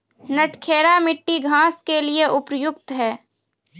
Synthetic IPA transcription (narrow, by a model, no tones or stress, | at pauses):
nəʈʰkʰeːɾamɪʈːiɡʱãːskelieʔʊpɾjʊkt̪ɦɛː